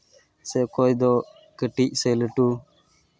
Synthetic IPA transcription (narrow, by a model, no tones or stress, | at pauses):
sekoːid̪oː | kəʈiːʔseːləʈuː